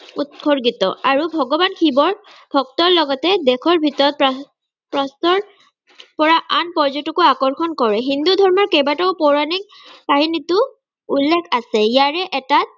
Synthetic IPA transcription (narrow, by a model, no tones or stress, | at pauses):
utkʰoɹɡitɔaɹubʱɔɡɔbankʰibɔɹbʱɔk̚tɔlɔɡɔtɛdɛkʰɔɹbʱitɔɹɔt̚p | pɹɔstɔɹ | pɔɹaʔanpɔɹzɔtukʊakɔɹxʰɔnkɔɹɛɦind̪udʱɔɹmɔɹkɛbatɔʊpɔɹanik̚ | paɦinitʊ | ulːɛkʰasɛjaɹɛʔɛta